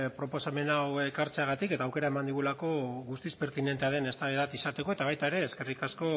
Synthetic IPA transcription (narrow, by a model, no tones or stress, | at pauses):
pɾo̞po̞same̞nawekaɾt͡seaɣat̪ike̞t̪aːwke̞ɾae̞mand̪iɣ̞ulako̞ɣust̪ispe̞ɾt̪ine̞nt̪e̞aðe̞ne̞st̪aβeðat̪isat̪e̞ko̞e̞t̪aβajt̪aeɾe̞ːske̞rikasko̞